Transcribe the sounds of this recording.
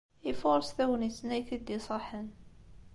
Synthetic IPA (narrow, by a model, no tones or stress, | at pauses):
ifoɾˤsθæwənəsnæjθid̪isˤɑħən